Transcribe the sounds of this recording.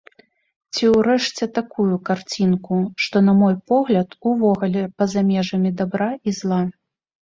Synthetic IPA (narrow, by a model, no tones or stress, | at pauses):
t͡sʲiwɾɛʂt͡sʲɛt̪akujukart͡sʲinkuʂt̪ɔnɐmɔjpɔɣlʲɐt̪uvɔɣulʲɛpɐzamʲɛʐɐmʲid̪abɾaizlˠa